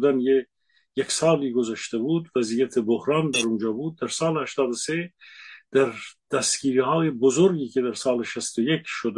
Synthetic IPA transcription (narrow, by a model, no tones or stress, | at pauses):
d̪ænje | jeksɑːliːɡozæʃt̪ʰebuːd̪væziːjæt̪ʰebohɾɑːnd̪æɾund͡ʒɑːbuːd̪̚ːæɾsɑːlehæʃt̪ɑːd̪osed̪̥æɾd̪̥æst̪ɡ̥iːɾihɑːjebozoɾɡiːkʰed̪æɾsɑːleʃæst̪ojekʰʃod̪